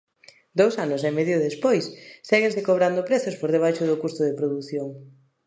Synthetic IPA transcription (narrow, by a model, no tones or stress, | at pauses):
d̪owsanʊsemɛðjʊðespojsːɛɣensɪkoβ̞ɾand̪ʊpɾeθʊspoɾðeβ̞ajʃʊðʊkust̪ʊðepɾoðuθjoŋ